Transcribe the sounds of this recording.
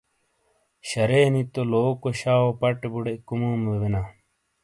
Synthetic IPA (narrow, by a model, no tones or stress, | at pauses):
ɕɐɾeːnit̪oloːkoɕaːwopɐʈebuɽekumuːmebenaː